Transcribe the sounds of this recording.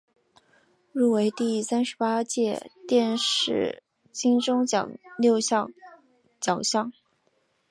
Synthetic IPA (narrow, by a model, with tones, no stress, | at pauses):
ɻu˥˩we˧˥ɪt̪i˥˩sa˥nʂɻ̩˧˥pa˥t͡ɕjɛ̰˥˧t̪jɛ˥˧nʂɻ̩˥˩ | t͡ɕi˥ŋʈ͡ʂʊ˥ŋ˨˩ljo˥˧ʊɕɑ˥˧ | t͡ɕjɑ˨˩ʊɕjɑ˥˩ŋ